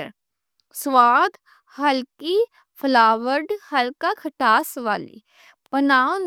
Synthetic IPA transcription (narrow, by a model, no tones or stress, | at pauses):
ɾ | swaːd̪ | hɐlki | pʰlaːʋəɾɖhɐlkakʰəʈaːsʋa̰ːlḭ | pənaːn